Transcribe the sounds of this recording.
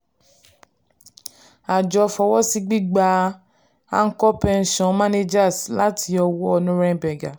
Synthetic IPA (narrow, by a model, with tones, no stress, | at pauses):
a˨d͡ʒɔ˧fɔ˧wɔ˦si˦˧ɡ͡bi˦ɡ͡ba˧ | a˦ŋ̩˦kɔ˦pɛ˧n̩˨ʃɔ̃˨mã˦ne˦d͡ʒa˦˨sla˨˦tʰi˧ɔ˧wɔ˦ɔ˧nũ˦ɾɛ̃˦˧˦bɛ˨ɡa˨